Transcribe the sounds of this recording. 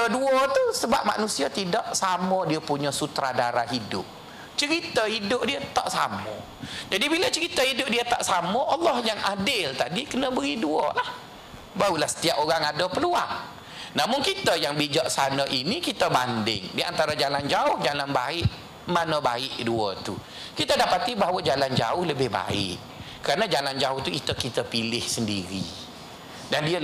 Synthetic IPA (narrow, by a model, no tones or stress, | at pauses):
əduɔt̪usəbap̚ma̰ʔnusiat̪idaʔsamɔdiəpuɲɔsut̪ɾadaɾaɦidʊ̰p̚ | t͡ʃəɾit̪əidʊp̚diət̪aʔsa̰mɔ̰ | d͡ʒadibilət͡ʃəɾit̪əɦidʊp̚diət̪a̰ʔsamɔʔalːɔhjaŋʔadɪlt̪adikənəbəɣiduɔ̰lah | baulahsə̥t̪iapoɣaŋadəpəlua̰ŋ | namʊŋkit̪əjaŋbid͡ʒɔʔsanəʔinikit̪əbandɪ̰ŋdiant̪aɾad͡ʒaland͡ʒaʊhd͡ʒalanba̰ɪʔ | manəba̰ɪʔduət̪u | kit̪ədapat̪ibaɦawəd͡ʒaland͡ʒa̰ʊhləbɪhba̰ɪ̰ʔ | kːəɾanəd͡ʒaland͡ʒaʊht̪uit̪əkit̪əpilɪhsəndiɾi | dandiə